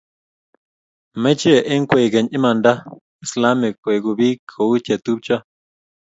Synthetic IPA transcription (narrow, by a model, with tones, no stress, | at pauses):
mẽ˦t͡ʃi˦e˨ʔi˦ŋ˦kʷe˧˨ɡe˨ɲĩ˦mã˧nd̪a˦ | i˨sla˦mi˨kʷe˨ɡu˧βi˦kʰo˨u˦t͡ʃe˨t̪u˦b̚t͡ʃa˦